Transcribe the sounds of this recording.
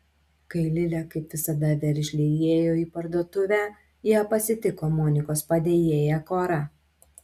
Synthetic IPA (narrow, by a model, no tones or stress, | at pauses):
kɐɪlʲɪlʲɛkɐɪpʋʲɪsɐd̪ɐʋʲɛɾʲʒʲlʲɪjeːjoːiːpɐɾd̪oːt̪ʊʋʲæ | jiːpɐsʲɪt̪ʲɪkoːmɔːnʲɪkoːspɐd̪ʲeːjeːjɛkoːɾɐ